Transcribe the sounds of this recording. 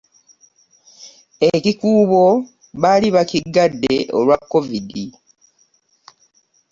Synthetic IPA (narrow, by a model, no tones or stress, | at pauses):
ecikuːβo | βaliβaciɡːadːe̞ʔo̰lwakːo̞vidi